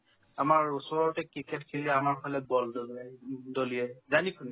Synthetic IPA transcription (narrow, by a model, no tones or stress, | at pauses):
amaɹusɔɹɔtɛkɹikɛtkʰiliɛamaɹpʰɔlɛbɔldɔzɛdolijɛzanikʰun